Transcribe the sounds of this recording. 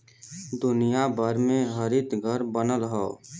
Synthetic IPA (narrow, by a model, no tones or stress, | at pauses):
d̪ʊnijabəɾmẽɦəɾɪt̪ɡʱəɾbənəlɦɔː